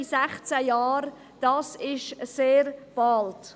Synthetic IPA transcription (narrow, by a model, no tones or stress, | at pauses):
sæχt͡sæjɑːɾ | d̥ɑːsɪʃseːɾb̥ɑlt